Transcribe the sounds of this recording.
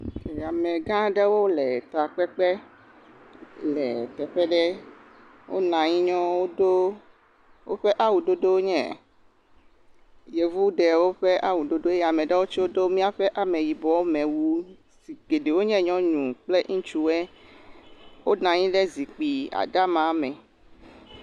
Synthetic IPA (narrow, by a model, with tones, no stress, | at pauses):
e˨a˨mɛ̃˨ɡã˦ɖɛ˦wo˦lɛ˨t̪a˨k͡pɛ˦k͡pɛ˦ | lɛ̰˨t̪ɛ˨ɸɛ˦ɖɛ˦ | wo̰˦nã˨ɲĩ˦ɲɔ̃˦wo˦do˦ | wo˦ɸɛ˦ʔa˦wu˨ɖo˦do˦wo˦ɲɛ̰̃˦˨ | je˨vu˦ɖɛ˨wo˦ɸɛ˦ʔa˦wu˨ɖo˦ɖo˦e˦˨a˨mɛ̃˨ɖɛ˦wo˦t͡ʃwo˦do˦mĩ˦a˦ɸɛ˦ʔa˨mẽ˨ji˨bɔ˨wo˦mɛ̃˨wu˦ | si˨ɡe˨ɖe˨wo˦ɲɛ̃˦ɲɔ̃˦ɲũ˨k͡plɛ˦ŋ̩̃˦t͡ʃu˦wɛ˦ | wo˦nã˨ɲĩ˦ɖɛ˦zi˨k͡pi˨a̰˨ɖa˦mã˨˦mɛ̃˨